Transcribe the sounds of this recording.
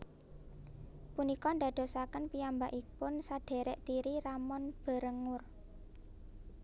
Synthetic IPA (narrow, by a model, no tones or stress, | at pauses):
punikɔnd̪a̤d̪̥o̤sakənpiambaʔipʊnsaɖ̪̥e̤ɾɛʔt̪iɾiɾamɔnb̥a̤ɾəŋʊr